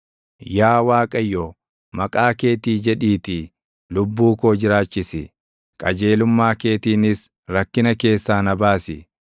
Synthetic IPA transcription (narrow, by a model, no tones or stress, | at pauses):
jaːwaːkʼɐjːɔ | mɐkʼaːke̞ːt̪iːd͡ʒɛᶑiːt̪ɪ | lʊbːuːkoːd͡ʒɪɾaːt͡ʃːɪsɪ | kʼɐd͡ʒe̞ːlʊmːaːke̞ːt̪iːnɪs | ɾɐkːɪnɐke̞ːsːaːnɐbaːsɪ